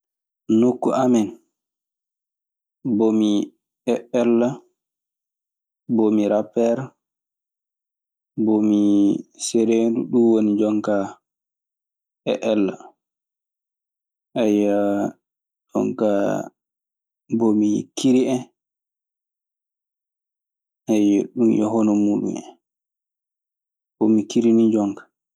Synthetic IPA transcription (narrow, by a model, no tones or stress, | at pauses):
nokːuʔamɛn | bomi | ɛɛlːa | bomiɾapːɛɾ | bomisɛɾeːnduɗuwonid͡ʒɔŋka | ɛʔɛlːa | ʔɛja | d͡ʒɔ̰ŋka | bomijḭkːiɾiɛ | ɛjɛɗumjɔ̰ɦɔnɔmuɗṵɛ̰ | bomikiɾinid͡ʒɔŋkḁ